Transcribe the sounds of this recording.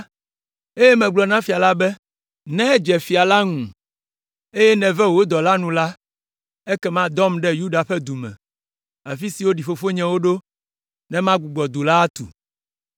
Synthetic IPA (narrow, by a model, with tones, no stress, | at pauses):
e˦jɛ˦mɛ̃˨ɡ͡blɔ˨nã˦fi˨a˨la˦bɛ˦ | nɛ̃˦d͡ʒɛ˨fi˨a˨la˦ŋũ˨ | e˦jɛ˦nɛ̃˨vɛ˦wo˦d̪ɔ˨la˦nũ˨la˦ | ɛ˦kɛ˦mã˦d̪ɔ˦mɖɛ˦ju˦ɖa˨ɸɛ˦d̪u˨mɛ̰̃˨ | a˨fi˦si˨wo˦ɖi˨fo˨fo˦ɲɛ̃˨wo˦ɖo˦ | nɛ̃˦mã˦ɡ͡bu˨ɡ͡bɔ˨d̪u˨la˦t̪ṵ˨